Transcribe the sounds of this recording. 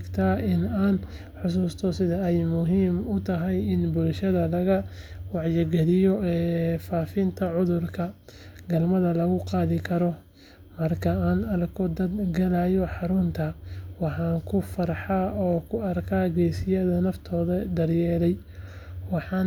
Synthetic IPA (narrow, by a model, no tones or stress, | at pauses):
ɡt̪ʰaːɪnaːn | ħʊs̬uːst̪ʰɔsɪðɐɛjmʊɦiːmʊt̪ʰɐɦɛjɪnbʊlʃɐðɐlɐɣɐwɑʕjɐɡɐlɪjɔɛːfaːfɪnt̪ʰɐʕʊðʊrkʰɐ | ɡɐlmɐðɐlɐɣʊqɑːðɪkʰɐɾɔ | mɐrkʰɐaːnɐɾkʰɔd̪ɐd̪ɡɐlajɔħɑɾʊnt̪ʰɐwɑħɑːŋkʰʊfɐɾħɑːʔɔːkʰʊɐrkʰaːɡɛjsɪjɐðɐnɐft̪ʰɔːðɐd̪ɐrjɛːɾɛj | wɑħɑn